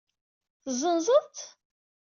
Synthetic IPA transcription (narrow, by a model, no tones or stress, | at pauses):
θzˤənzˤəðt̪